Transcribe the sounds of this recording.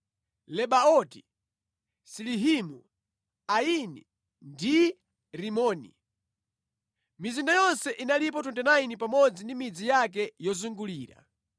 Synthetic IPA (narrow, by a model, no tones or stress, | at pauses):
lɛɓaɔti | siliɦimu | ainḭ | ndi | ɾimɔːnḭ | mizindajɔnsɛʔinalip̬ɔtuntɛnainip̬amɔd͡zindimid͡zijak̬ɛjɔzuŋɡuliːɾa̰